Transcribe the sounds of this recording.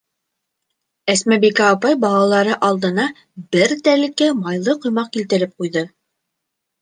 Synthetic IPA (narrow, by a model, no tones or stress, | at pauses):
æsmæbikæːpɑjbɑlˠɑlˠɑɾɤʔɑlˠd̪ɤ̆nɑ | bɘɾt̪ælɘ̆kæmɑjlˠɤqŏjmɑq̚kilt̪ɘ̆ɾɘp̚qujðɤ